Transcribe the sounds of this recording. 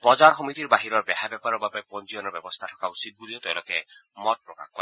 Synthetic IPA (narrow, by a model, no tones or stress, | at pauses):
pɔd͡ʒaɹxɔmit̪iɾbaɦiɾɔɹbɛɦabɛpaɾɔbapɛpɔnd͡ʒiɔnɔbɛbɔst̪ʰatʰɔ̥kausit̪̚ɡuliɔt̪ɛwlokemɔt̪̚pɹɔka̰xkɔ